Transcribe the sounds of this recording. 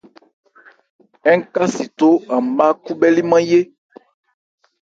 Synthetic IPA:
ɛ˦ŋ̩˦ka˦si˨t̪o˦ã˨m˨ba˦ku˦bɛ˦li˦mã˦je˦

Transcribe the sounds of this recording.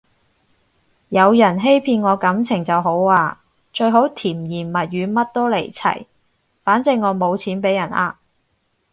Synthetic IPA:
jɐ˨˧wjɐ˨˩nɦe˥jpʰiː˧nŋɔː˨˧kɐ˨˥mt͡sʰɪ˨˩ŋt͡sɐ˨wɦo˨˥waː˧ | t͡ʃɵ˧ɥɦo˨˥wt̪ʰiː˨˩mjiː˨˩nmɐ˨˩t̚jyː˨˧mɐ˥t̚t̪o˥wle˨˩jt͡sʰɐ̰˨˩j | faː˨˥nt͡sɪ˧ŋŋːɔː˨˧mo˨˧wt͡sʰiː˨˥npe˨˥jɐ˨˩nʔa̰ː˧

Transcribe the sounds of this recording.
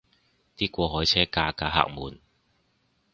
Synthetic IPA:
t̪iː˥kʷɔː˧ɦɔː˨˥jt͡sʰɛː˥kaː˧kaː˧ɦa̰ː˧k̚muː˨˩n

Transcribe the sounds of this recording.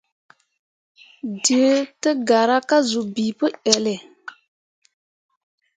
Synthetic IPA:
di˨e˦tə˦ɡa˨ɾa˦ka˦zu˨bi˨pə˦ʔɛ˨lɪ˨

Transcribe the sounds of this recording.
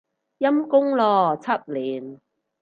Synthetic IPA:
jɐ˥mkʊ˥ŋlɔː˧t͡sʰɐ˥t̚liː˨˩n

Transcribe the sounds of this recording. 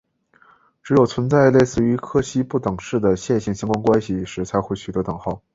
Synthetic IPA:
ʈ͡ʂɻ̩˧˥jo˨˩ʊt͡sʰwə˧˥nt͡sa˥˧ɪle˥˧ɪsɹ̩˥˩y˧˥kʰɤ˥ɕi˥pu˥˩t̪ɤ˨˩ŋʂɻ̩˥˩d̪ə˩ɕjɛ˥˧nɕi˥˩ŋɕi˥ŋkwa˥ŋkwa˥nɕi˨ʂɻ̩˧˥t͡sʰa˧˥ɪxwe˥ɪɕy˨˩t̪wɔ˥t̪ɤ˨˩ŋxɑ˥˩ʊ

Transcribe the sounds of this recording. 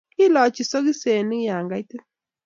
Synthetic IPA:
i˦lɔ˨t͡ʃi˨so˦ki˦se˨ni˦ja˨ŋɡa˦jtɨ˦

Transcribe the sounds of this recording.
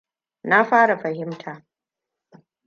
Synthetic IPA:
na˦ɸaː˦ɽa˨ɸɐ˨hɪ˦mtʰaː˨

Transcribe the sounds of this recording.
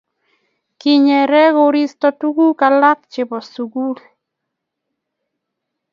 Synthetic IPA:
ki˨ɲɛ˨ɾɛ˦ɣo˦ɾi˦stɔ˨tu˦ɡu˦ka˨la˦k̚t͡ʃɪ˨bɔ˨su˨ɡu˦l

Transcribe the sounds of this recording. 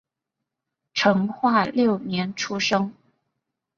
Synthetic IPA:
ʈ͡ʂʰɤ˧˥ŋxwa˥˧ljo˥˩ʊnjɛ˧˥nʈ͡ʂʰu˥ʂɤ˥ŋ

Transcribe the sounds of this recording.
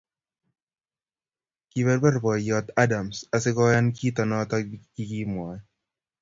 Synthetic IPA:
kiβɛ˦ɾba˦rbɔ˨jɔt̪a˦da˨msa˨sɪ˦kɔ˦ja˦nkiː˦t̪ɔ˨nɔ˦t̪ɔki˦ki˦mwɔ˨j

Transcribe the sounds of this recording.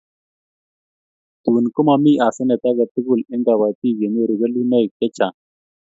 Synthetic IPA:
t̪u˨n˨ku˦ma˨mi˦ʔa˨sə˦ne˨t̪a˦ɡə˨t̪i˦ɡu˦˨li˦nda˨βa˨t̪i˦˨ɡe˨ni˦˨ɾu˨ɡə˦li˦nə˦i˨ke˦t͡ʃa˨

